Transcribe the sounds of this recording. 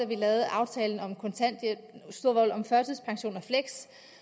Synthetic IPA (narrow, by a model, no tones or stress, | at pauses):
æʋilɛːʊð̩ˠʔɑ̈ʊt͡sʰɛːln̩ɒ̽mkʰɔ̽nt͡sʰæn̰d̥sd̥o̝ɐ̰ʋɒl̰ɒ̽mfɶɐsʰəspʰɑ̈ŋɕo̝̰ːnɒfleɡ̥s